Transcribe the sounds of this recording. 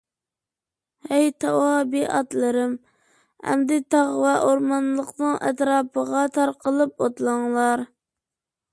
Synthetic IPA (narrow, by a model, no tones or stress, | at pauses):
hɛjt̪ʰɑwɑbiʔɑt̪lˠɨɾɨm | hæ̰md̪ɪt̪ɑʁwɛʔoɾmɑnlˠəqnɨŋɛ̰t̪ɾɑːpʰəʁɑt̪ʰɑɾqəlˠɨpot̪lˠɑŋlˠɑɾ